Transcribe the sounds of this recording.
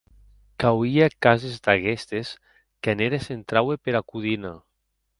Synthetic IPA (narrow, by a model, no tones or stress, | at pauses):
kawiakazezd̪aɣest̪es | kaneɾesent̪ɾawepeɾakuðina